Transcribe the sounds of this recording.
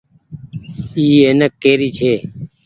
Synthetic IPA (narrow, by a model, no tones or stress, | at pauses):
iːeːnəkːeːɾiːt͡ʃʰeː